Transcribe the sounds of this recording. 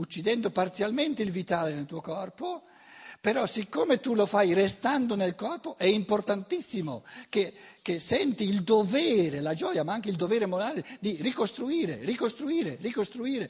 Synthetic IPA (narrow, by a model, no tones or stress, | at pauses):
ut͡ʃːid̪ɛnd̪opart̪sjalment̪eilvit̪aːlenelt̪uːokɔrpo | peɾɔsikːoːmet̪ulofajrest̪and̪onelkɔrpoʔɛimport̪ant̪isːimok̟ekesːɛnt̪iːld̪ovɛːɾelad͡ʒɔːjamaaŋk̟eild̪ovɛːɾemoɾaːled̪irikost̪ɾuiːɾḛrikost̪ɾuiːɾerikost̪ɾuiːɾe